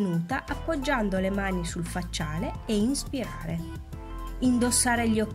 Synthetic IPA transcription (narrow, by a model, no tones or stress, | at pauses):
nuːt̪aʔapːod͡ʒːand̪olemaːnisulfat͡ʃːaːleeinspiɾaːɾe | ind̪osːaːɾeʎːɔk